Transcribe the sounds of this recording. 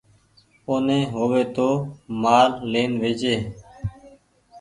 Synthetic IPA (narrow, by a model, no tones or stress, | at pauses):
oːnẽːɦoːʋeːt̪oːmaːɾleːnʋeːd͡ʒeː